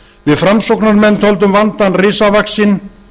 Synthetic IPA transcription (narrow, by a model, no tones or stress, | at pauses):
vɪðfɾamsɔwknaɾmɛnːt̪ʰowlt̪ʏmvant̪anrɪːsavaksɪn